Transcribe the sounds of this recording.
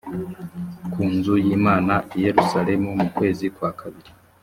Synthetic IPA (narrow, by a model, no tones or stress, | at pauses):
kʰuːnzujiːmaːnaʔije̞ɾusaɾe̞mumukwe̞ːzikwaːkʰaβiɾi